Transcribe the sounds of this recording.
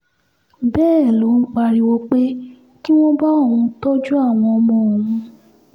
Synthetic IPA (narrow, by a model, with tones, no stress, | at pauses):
bɛː˦˨lo˨˦n̩˦k͡pa˧ɾi˧wo˧k͡pe˦ | ki˦w̃ɔ̃˦ba˦o˦˨ũ˧tɔ˦d͡ʒu˦a˦˨w̃ɔ̃˧ɔ˧mɔ̃˧˨o˨ũ˧